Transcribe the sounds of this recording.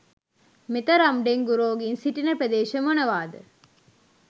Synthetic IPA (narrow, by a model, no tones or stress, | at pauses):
met̪ɐɾɐmɖeŋɡuɾoːɡinsiʈinɐpɾɐd̪eːʃɐmonɐʋaːd̪ə